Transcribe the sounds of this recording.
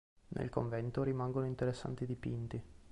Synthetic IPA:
nʔḛlkoɱvɛnt̪oɾimaŋɡonoint̪eɾesːa̰nt̪id̪ipint̪i

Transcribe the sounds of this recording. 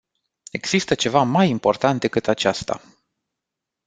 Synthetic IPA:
e̞ɡz̥ist̪ət͡ʃe̞vamajimpo̞rt̪ant̪̚d̪e̞kɨt̪at͡ʃast̪a̰

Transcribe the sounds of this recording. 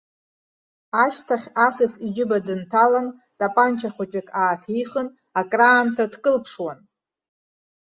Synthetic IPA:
aʃtʰaχʲasɨsid͡ʒɪbadɨntʰalan | tʼapʼant͡ʃʰaχʷat͡ʃʼakʰʼaːtʰiχən | akʼraːmtʰadkʼɨlpʰʂwan

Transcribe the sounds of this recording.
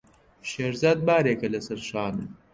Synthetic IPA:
ʃeːɾzaːd̪̚baːɾeːkɐlɐsɐɾʃaːnu

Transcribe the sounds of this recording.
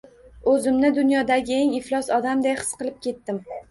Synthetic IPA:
ɵzɪmnɪd̪ʊnjɒd̪aɡʲɪeŋɪflˠɒsɒd̪amd̪ejχɨ̥sqɨlˠɪp̚kʲʰe̞t̪ːɪm

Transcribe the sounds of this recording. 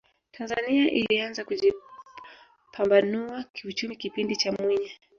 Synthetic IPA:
tʰanzaniaʔḭlianzakuʄi | pʰambanuakiut͡ʃumikipindit͡ʃamwiɲa

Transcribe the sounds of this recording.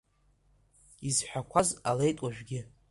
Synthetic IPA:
izħʷᶣakʷʰazalejtʼwaʒᶣɡʲɪ

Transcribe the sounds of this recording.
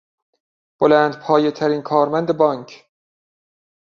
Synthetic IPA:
b̥olæːnd̪pʰɒːjet̪ʰæɾiːnkʰɒːɾmænd̪ebɒːŋkʰ

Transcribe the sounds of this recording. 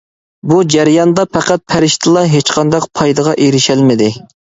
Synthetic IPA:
bud͡ʒæɾjɑnd̪ɑpʰæqæt̪̚pʰæɾɪʃt̪ʰɨlˠɑɦet͡ʃqʰɑnd̪ɑqpʰɑjd̪ɨʁɑʔeɾɪʃælmɪd̪ɪ

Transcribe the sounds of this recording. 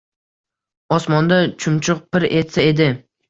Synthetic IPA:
ɒsmɒnd̪at͡ʃʰʊmt͡ʃʰʊq̚pɪɾet̪sae̞d̪ɪ

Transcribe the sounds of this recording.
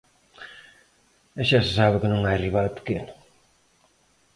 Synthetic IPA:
eʃasɪsaβɪkɪnõŋajriβalpe̥kenʊ

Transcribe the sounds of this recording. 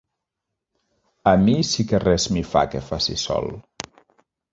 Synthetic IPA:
əmisikerɛzmifa̰kefasḭsɔ̰lˠ

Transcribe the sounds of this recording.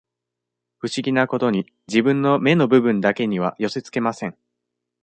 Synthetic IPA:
ɸɯ̟ɕiɡʲinako̞t̪o̞ɲ̟i | d͡ʑibɯ̟̃nːo̞me̞no̞bɯ̟bɯ̟̃nd̪ake̞ɲ̟iβ̞ajo̞se̞t͡sɨ̥ke̞masẽ̞ŋ

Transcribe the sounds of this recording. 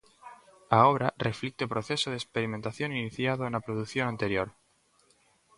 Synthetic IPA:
aoβɾareflik̚t̪opɾoθe̞soð̞espeɾiment̪aθjo̞niniθjað̞oenapɾoðukθjo̞nãnt̪e̞ɾjoɾ

